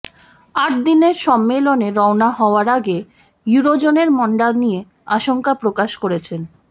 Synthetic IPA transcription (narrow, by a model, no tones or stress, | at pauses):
aʈ̚d̪ineɾʃɔmːeloneɾɔonaɦɔoaɾaɡe | juɾod͡ʑoneɾmɔɳɖanije | aʃoŋkapɾokaʃkoɾet͡ɕʰen